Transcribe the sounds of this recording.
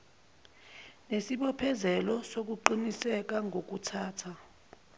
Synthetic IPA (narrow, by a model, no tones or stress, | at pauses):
nesiɓɔpʰɛzɛlɔsok̬uǃinisɛk̬aŋʱok̬utʰaːtʰa